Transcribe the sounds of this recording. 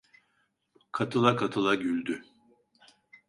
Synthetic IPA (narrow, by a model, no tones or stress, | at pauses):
kʰat̪ʰɯlˠakʰat̪ʰɯlˠaɟylʲd̪y